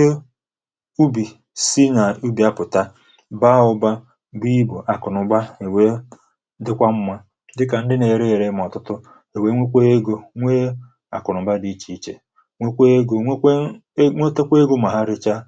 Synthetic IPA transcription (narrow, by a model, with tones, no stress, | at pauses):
e˦ | u˦bi˨ | si˦na˨u˦bi˨a˦pʊ˨ta˦ | ba˦ʊ˦ba˦ | bi˦bo˨ʔa˨kʊ˨nʊ˨ɡ͡ba˦e˨we˦ | dɪ˦kʷa˦m̩˦ma˦ | dɪ˦ka˨n̩˦dɪ˦ne˨ɾe˦e˨ɾe˦m˨ɔ˨tʊ˦tʊ˦ | e˨we˦ŋʷe˦kʷe˦e˦ɡo˦ŋʷe˦ | a̰˨kʊ˨nʊ˨ba˦di˨˦t͡ʃi˨˦i˦t͡ʃe˨ | ŋʷe˦kʷe˦e˦ɡo˨˦ŋʷo˦te˦kʷe˦e˦ɡo˦ma˨ɦa˦ɾɪ˦t͡ʃa˦